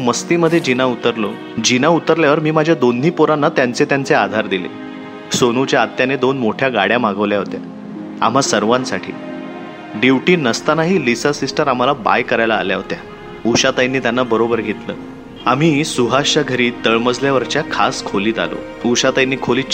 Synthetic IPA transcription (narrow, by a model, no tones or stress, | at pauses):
məst̪iməd̪ʱːjed͡ʑinaut̪əɾlo | d͡ʑinaut̪əɾljaʋəɾmiːmad͡ʑʱjad̪onːiːpoɾanːat̪jant͡set̪jant͡sead̪ʱaɾd̪ilḛ | sonut͡ɕjaːt̪janed̪onmoʈʰjaɡaɽjamaɡəʋljaɦot̪ja̰ | a̰m̤asəɾʋãnsaʈʰḭː | ɖiʋʈiːnəst̪anaɦiːlisasisʈəɾam̤alaba̰jkəɾajla̰ːljaɦot̪ja | uɕat̪ajnːiːt̪janːabəɾobəɾɡʱet̪lə̰ː | am̤iːsuɦaɕaɡʱəɾiːt̪əɭməd͡zljaʋəɾt͡ɕjakʰaskʰoliːt̪a̰lo̰ | uɕat̪ajinːiːkʰoliː